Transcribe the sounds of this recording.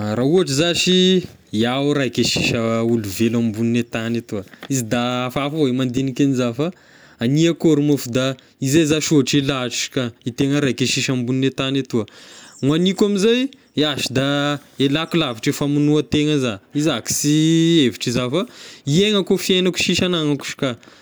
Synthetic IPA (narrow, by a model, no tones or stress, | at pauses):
ɾauaʈ͡ʂizaʃi | jaɾajkeʃiʃəuluvelambuninet̪anat̪uəizid̪afaafaoimand̪inikenizafa | aniakoɾumofud̪a | izejzaʃuɦʈ͡ʂilaʈ͡ʂi̥kait̪eŋəɾajkeʃiʃambuninet̪anat̪uəŋwanikʲamizaj | aʃi̥d̪aelakulaviʈ͡ʂefamunuət̪eŋəzaizaki̥sieviʈ͡ʂizafaieŋəkofienaku̥ʃiʃanaŋaku̥ʃi̥ka